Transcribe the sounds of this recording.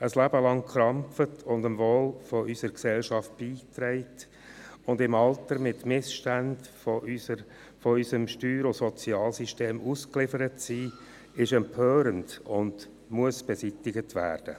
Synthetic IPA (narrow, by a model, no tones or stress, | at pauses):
əslæbəlɑŋkχɾɑmfətʰʊndəmvoːlfɔʔysəɾksɛlʃɑft̚b̥iːtɾɛɪt | ʊndɪmɑltəɾmɪtmɪsʃtænd | fɔysəmʃtyːɾosɔt͡siɑːlsiʃteːmʔuːsklɪfəɾətsiː | ɪʃɛmpʰøːɾəndʊnd̥ | muəsb̥ɛsitɪɡətʋæ̰ːɾd̥ə̰